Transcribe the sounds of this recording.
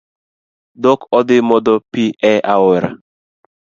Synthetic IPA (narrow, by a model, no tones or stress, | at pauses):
d̪ɔkɔd̪ɪmɔd̪ɔpiʔɛʔaweɾa̰